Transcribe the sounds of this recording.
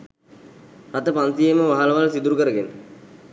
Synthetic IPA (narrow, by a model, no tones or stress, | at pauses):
rat̪əpant̪ijeməʋaɦaləʋalsid̪uɾukəɾəɡenə